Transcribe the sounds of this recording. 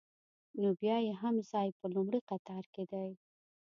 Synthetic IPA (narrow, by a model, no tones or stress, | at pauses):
nobjɑjeɦamzɑjpəlʊmɽiqat̪ɑɾked̪aj